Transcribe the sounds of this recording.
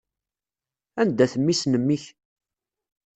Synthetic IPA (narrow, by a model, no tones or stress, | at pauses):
ænd̪æθəmːisnəmːiç